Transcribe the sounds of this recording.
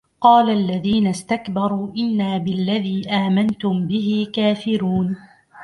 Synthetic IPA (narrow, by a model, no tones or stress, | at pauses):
qɑːlaʔlːaðiːnast̪akbɑɾˤuːʔɪnːaːbɪlːaðiːʔaːmant̪ʊmbɪɦɪkaːfɪɾuːn